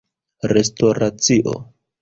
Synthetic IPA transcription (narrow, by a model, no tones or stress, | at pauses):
ɾesto̞ɾat͡siʔo̞̰